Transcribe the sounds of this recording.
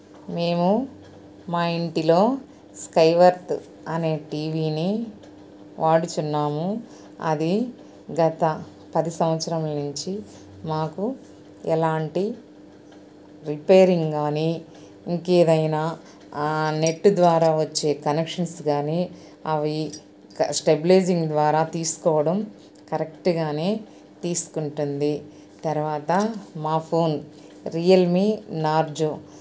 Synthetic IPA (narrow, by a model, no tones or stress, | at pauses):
me̞ːmu | maːiɳʈilo̞ː | skɐjʋɐɾt̪ | ɐne̞ːʈiːʋiːni | ʋaːɽut͡ʃunːaːmu | ɐ̰d̪i | ɡɐt̪ɐ | pɐd̪isɐmʋɐt̪sɐɾɐmlnuɲt͡ʃi | maːku | ɛlaːɳʈi | ɾipeːɾiŋɡɡaːni | iŋkeːd̪ɐjnaː | ne̞ʈːd̪ʋaːɾaːʋɐt͡ʃːe̞ːkɐnekʂɐnsɡaːneː | ɐʋi | ksʈebleːd͡ʒiŋɡd̪ʋaːɾaːt̪iːsu̥kɔːʋɐɽɐm | kɐɾekʈɡaːne̞ː | t̪iːsu̥kuɳʈund̪i | t̪ɐɾuʋaːt̪ɐmaːpʰo̞ːn | ɾijɐlminaːɾd͡ʒo